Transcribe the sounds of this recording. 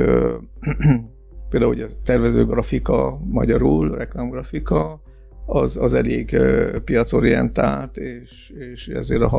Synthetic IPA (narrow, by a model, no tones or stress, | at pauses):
peld̪auojɒt̪ɛrvɛzøːɡrɒfikɒmɒ̰ɟɒɾuːlrɛklaːmɡrɒfikɒ | ɒzɒzɛleːɡpijɒt̪so̞ɾijɛ̰nt̪aːlt̪eːʃ | eːʃɛ̰zeːɾɒɦ